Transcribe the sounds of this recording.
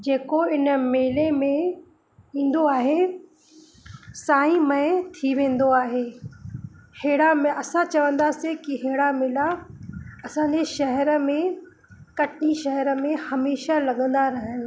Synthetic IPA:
d͡ʑeːkoɪnəmeːlemẽ | ĩːn̆d̪oaːɦe | saːĩmɐet̪ʰiʋẽːn̆d̪oaːɦeː | heːɽamẽɐsãt͡ɕɐʋə̃nd̪asikiɦeːɽamɪla | ɐsãːɲd͡ʑeʃɐɦɛɾəmẽ | kɐʈʰniʃɐɦɛɾə̆mẽhɐmeːʃalɐɠə̃nd̪aɾɐɦənɪ̆

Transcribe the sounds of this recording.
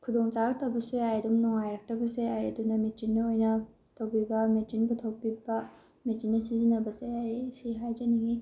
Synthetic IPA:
kʰudoŋt͡ʃaɾɐk̚tɐwbɐseajdumnɔŋajɾɐk̚tɐbɐseajɐdunɐmetinːiojnɐ | tʰɐwpibɐmetinbutʰɐwpibɐ | metinːɐsizinɐbɐseajsiɦajd͡ʒɐniŋi

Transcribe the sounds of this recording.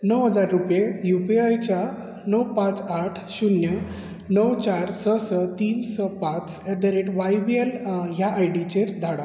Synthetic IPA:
nəwɦəd͡zaɾːupjejupiajt͡ɕja | nəwpãt͡saʈʰɕunjə | nəwt͡ɕaɾsəsət̪iːnsəpãt͡sɛd̪əɾeʈʋajbielɦjaʔajɽit͡ɕeɾd̪ʱaɽa

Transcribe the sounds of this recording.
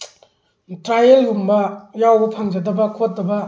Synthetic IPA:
tɾajeljumbɐjawbɐpʰaŋd͡ʒɐdɐbɐkʰot̚dɐbɐ

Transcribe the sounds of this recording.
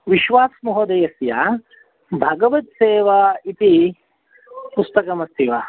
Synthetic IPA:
ʋiʃʋaːsmuɦod̪ɐjɐsjaː | bʱɐɡɐʋɐt̪seːʋɐit̪i | pust̪ɐkɐmɐst̪ʰiʋɐ

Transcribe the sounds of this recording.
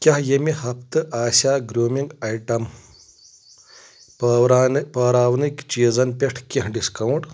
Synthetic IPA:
kʲɐɦjemihɐp̚ʰt̪ɨʔaːsʲaːɡɾoːmiŋɡɐjʈɐm | pɾnpɐːɾaːwnikt͡ʃiːzɐnpʲeʈʰkiɦɖiskɐwɳʈ

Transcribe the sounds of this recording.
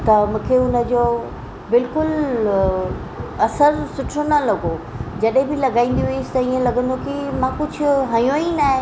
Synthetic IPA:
t̪ɐmũːkʰeʊnə̆d͡ʑoː | bɪlkʊl | ɐsəɾsʊʈʰonɐlɐɡo | d͡ʑɐɗɦẽbɪlɐɡaːĩːn̆d̪ijust̪ɐiːẽlɐɡə̃nd̪okimãkʊd͡ʑʱʊ̆ɦɐjõinaːɦẽ

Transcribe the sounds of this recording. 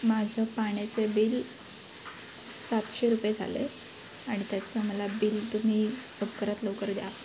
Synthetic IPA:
mad͡zʱəpaɽ̃et͡sebiːl | sat̪ɕeɾupjed͡zʱa̰lḛ | aɽ̃it̪jat͡səməlabiːlt̪um̤iː | əb̚kəɾat̪ləʋkəɾd̪ja

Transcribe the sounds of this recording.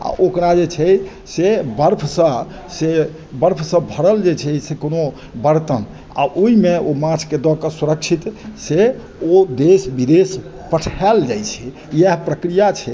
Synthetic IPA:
a̰ʔokɾad͡ʒet͡ʃʰɛ | sebəɾpʰsə̃ | se | bəɾpʰsə̃bʱəɽəld͡ʒet͡ʃʰɛsekono | bəɾt̪ən | a̰ʔoimeomãt͡ʃʰked̪ɔkəsuɾəkt͡ʃʰit̪se | od̪esbid̪es | pəʈʰald͡ʒajt͡ʃʰɛ | jeɦpɾəkɾijat͡ʃʰɛ

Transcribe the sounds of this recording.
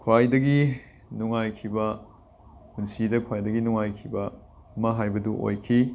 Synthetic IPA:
kʰwajdɐɡi | nuŋajkʰibɐ | hunsidɐkʰwajdɐɡinuŋajkʰibɐ | ɐmɐɦajbɐduʔo̰jkʰi

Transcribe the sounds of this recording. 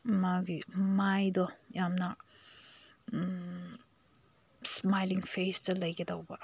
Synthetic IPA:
maɡimajdɔjamnɐ | smajliŋpʰestɐlɐjɡidɐwbɐ

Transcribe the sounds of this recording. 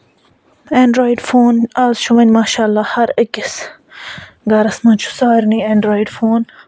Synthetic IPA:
ẽːɳɖɾoːjɖfoːnaːzʃuʋɐnʲmaːʃaːlːaːhɐɾɐkis | ɡaːɾɐsmɐt͡ʃʰu̥saːɾniẽːɳɖɾoːiɖfoːn

